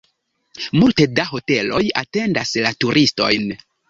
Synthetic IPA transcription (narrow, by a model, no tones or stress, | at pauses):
multe̞daɦo̞te̞lo̞jate̞ndaslatuɾʔisto̞̰jn